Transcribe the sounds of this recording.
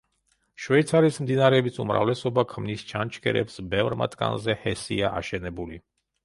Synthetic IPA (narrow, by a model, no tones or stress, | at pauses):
ʃwɛt̪sʰaɾismd̪inaɾɛbisumɾa̰vlɛsɔbakʰmnist͡ʃʰant͡ʃʰkʰɛ̰ɾɛ̰psbɛvɾma̰t̪ʰʼɡa̰nzɛhɛsḭaʔaʃɛnɛbuli